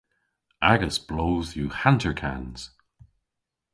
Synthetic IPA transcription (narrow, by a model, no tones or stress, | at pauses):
aɡəsb̥loːzjuhãntʰə˞kʰa̰nz̥